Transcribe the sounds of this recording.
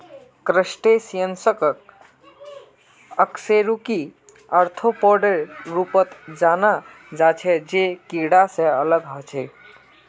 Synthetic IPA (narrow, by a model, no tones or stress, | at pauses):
kɾəsʈesijənsək | əkseɾuki | əɾt̪ʰopɔɾɖəɾɾupət̪d͡ʒana | d͡ʒat͡ʃʰɛd͡ʒekiɽasẽələɡɦɔt͡ʃʰɛ